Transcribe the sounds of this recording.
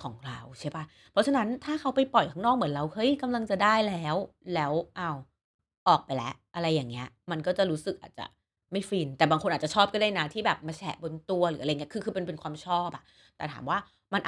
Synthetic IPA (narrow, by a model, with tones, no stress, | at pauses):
kʰɔː˩˦ŋɾa˧wt͡ɕʰi˥˩˨pa˦˥˩ | pʰɾɔ˦˥t͡ɕʰa˧na˦˥nt̪ʰaː˥˩kʰa˦˥wpa˧jpɔ˨˩jkʰaː˦˥ŋnɔː˥˩k̚mɯ˩˦ə˦nɾa˧whɤ˦˥jka˧mla˧ŋt͡ɕa˨˩daː˥˩jlɛː˦˥wlɛː˦˥wʔa˥˩w | ʔɔː˨˩k̚pa˧jlɛ̰˦˥ʔʔa˧ɾa˧jːaː˨˩ŋːi˦˥ɐ | ma˧nkɔː˥˩t͡ɕa˨˩ɾuː˦˥sɯ˨˩k̚ʔaː˨˩t̪̚t͡ɕa̰˨˩ | ma˥˩jfiː˧nt̪ɛː˨˩baː˧ŋkʰo˧ʔ̚ːt͡ɕa˨˩t͡ɕʰɔː˥˩p̚kɔ˥˩daː˥˩jna˦˥t̪ʰiː˥˩bɛː˨˩p̚ma˧t͡ɕʰɛ˦˩bo˧nt̪u˧ɐlɯː˩˦a˧ji˦˥kʰɯː˧kʰɯ˧pe˧npe˧nkʰwaː˧mt͡ɕʰɔː˥˩p̚ʔa˨˩ʔ | t̪ɛː˨˩t̪ʰaː˩˦mwaː˥˩ | ma˧nʔ